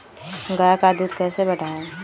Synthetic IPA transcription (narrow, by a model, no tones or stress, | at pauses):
ɡajakad̪uːt̪kɛːsebɐɽʱaːe